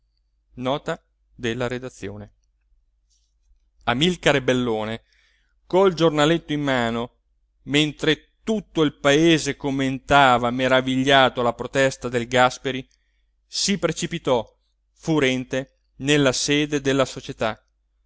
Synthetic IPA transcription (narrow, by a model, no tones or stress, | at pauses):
nɔːt̪a | d̪elːaɾed̪at̪sːjoːne | amilkaɾebelːoːne | kold͡ʒornalet̪ːoimːaːno | ment̪ɾe | t̪ut̪ːoilpaeːzekomːent̪aːvameɾaviʎːaːt̪olapɾot̪ɛst̪ad̪elɡaspeɾi | sipɾet͡ʃipit̪ɔ | fuɾɛnt̪e | nelːaseːd̪ed̪elːasot͡ʃet̪a